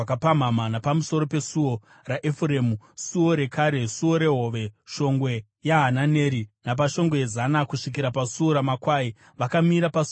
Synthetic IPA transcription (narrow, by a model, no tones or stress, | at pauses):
akapam̤amanapamuso̞ɾo̞pe̞suo̞ | raʔefuremusuo̞ɾe̞kaːɾe̞suo̞ɾe̞ɦo̞ːʋe̞ʃo̞ŋɡwe̞ | jaɦanane̞ːɾinap̬aʃo̞ŋɡwe̞jezanakuʂik̬iɾapasuo̞ɾamakwaːi | ʋakamiɾapasu